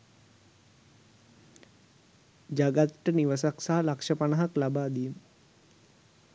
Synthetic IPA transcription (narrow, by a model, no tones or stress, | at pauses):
d͡ʒaɡat̪ʈəniʋəs̬aksaɦalakʂəpanaɦaklabaːd̪ijm